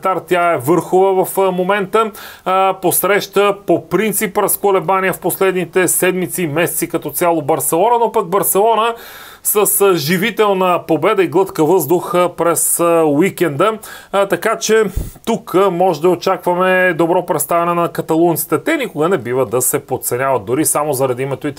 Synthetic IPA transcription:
t̪aɾt̪ʲjaɛvɤɾxovəvɐfmomɛnt̪ə | posɾɛʃt̪əpopɾint̪sipɾɐskolɛbanijəfposlɛd̪nit̪ɛsɛd̪mit̪siːmɛsɛ̥t̪sikɐt̪ɔt̪sʲalˠobɐɾsɛlˠɔnənopɐɡ̚bɐɾsɛlˠɔnə | səsʒivit̪ɛlˠnəpobɛd̪əiɡlˠɤt̪kəvɤzd̪ʊxəpɾɛswikɛnd̪ət̪ɐkat͡ʃɛt̪ukmɔʒɛd̪ɐot͡ʃakvɐmɛd̪obɾɔpɾɛt̪st̪avɛnɛnɐkɐt̪ɐlˠunt̪si̥t̪ɛt̪ɛnʲikʊɡənɛbivəd̪ɐsɛpot̪t̪sɛnʲavɐt̪̚d̪ʊɾisamozɐɾɐd̪iimɛt̪oi

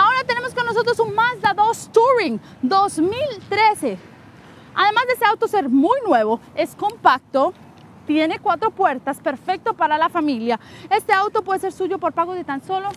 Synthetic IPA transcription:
ao̞ɾat̪ene̞mo̞skonːos̬o̞t̪ɾo̞suŋmazd̪aðost̪uɾiŋ | d̪ozmilt̪ɾese | a̰ðe̞mazðeeseawt̪o̞se̞ɾmujnwe̞βoe̞sko̞mpak̚t̪o | t̪je̞ne̞kwat̪ɾo̞pweɾt̪aspeɾfe̞k̚t̪opaɾalafamiljae̞st̪e̞awt̪opwe̞ðese̞ɾsuʝo̞po̞ɾpaɣoðet̪anso̞lo

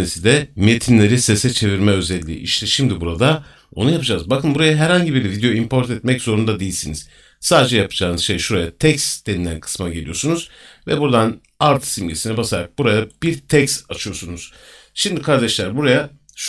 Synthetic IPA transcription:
esid̪ɛme̞t̪ʰinlʲe̞ɾisesɛt͡ʃʰe̞viɾmɛø̞zɛlʲːḭːʔḭʃt̪ʰɛʃimd̪ibuɾad̪a | o̞̰nujapɯd͡ʒazbakʰɯnbuɾajaɦɛɾhaɲɟibiɾvid̪ejo̞impʰo̞ɾt̪ɛt̪̚mɛcz̥o̞ɾund̪ad̪ejilʲsiniz̥ | saːd̪ed͡ʒɛjapʰɯ̥d͡ʒaːnɯz̥ʃe̞jʃuɾajat̪ʰɛcst̪d̪̥e̞nilʲænkʰɯ̥smaɟelʲijo̞sunuz̥vɛbuɾd̪an | aɾt̪ʰsimɟesinɛbasaɾak̚buɾajab̥iɾt̪ʰɛcst̪at͡ʃʰɯjo̞sunuz̥ | ʃimd̪ikʰaɾd̪eʃlʲæɾbuɾaja | ʃ

